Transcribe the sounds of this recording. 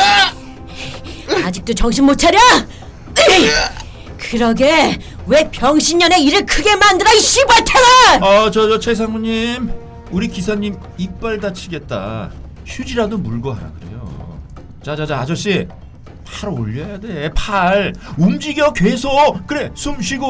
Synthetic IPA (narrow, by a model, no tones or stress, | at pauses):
ad͡ʑik̚t͈ot͡ɕʌŋɕʰinmot͡ɕʰaɾjʌ | kɯɾʌɡe̞ | we̞pjʌŋɕʰiɲɲʌne̞iɾɯɭkʰɯɡe̞mandɯɾaiɕ͈ibʌɭtʰanaʌt͡ɕʌd͡ʑʌt͡ɕʰe̞s̬ʰaŋmuɲim | uɾikisʰaɲːim | ip͈aɭdat͡ɕʰiɡe̞t̚t͈a̰ | ɕʰud͡ʑiɾadomuɭɡoɦaɾa̰ɡɯɾe̞̰jo̰ | t͡ɕad͡ʑad͡ʑaad͡ʑʌɕ͈i | pʰaɾo̰ʎːʌjade̞pʰaɭumd͡ʑiɡjʌkɥe̞sʰokɯɾe̞sʰumɕʰiɡo